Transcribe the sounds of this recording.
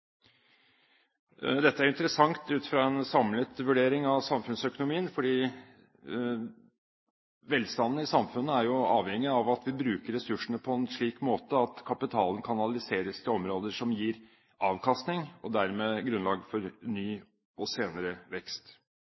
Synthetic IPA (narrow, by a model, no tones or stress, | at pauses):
d̪ɛt̪ːəæɾɪnt̪əɾəsɑŋt̪ʉːt̪ɪ̥fɾɑɛnsɑmlət̪ʋʉɖeːɾɪŋɑʋsɑmfʉnsœkʊnʊmiːənfɔɖiː | ʋɛlst̪ɑnd̪n̩ɪsɑmfʉnːəæɾjʊɑːʋhɛŋːɪɑʋɑt̪ʋɪbɾʉːkəɾːɛsʉʂəɳəpʰɔɛnʂɭiːkmoːt̪əɑt̪kʰɑpɪt̪ʰɑːlən̩kʰɑnɑlɪseːɾəst̪ʰɪlɔmɾoːd̪əʂɔmjiːɾ | ɑːʋkʰɑst̪nɪŋɔd̪æɾmeːɡɾʉnlɑːɡfɔɾnyː | ɔseːnəɾəʋɛkst̪